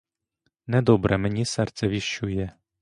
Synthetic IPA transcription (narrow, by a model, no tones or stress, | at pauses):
nɛd̪ɔbɾɛmɛnʲisɛrt̪sɛʋʲiʃt͡ʃujɛ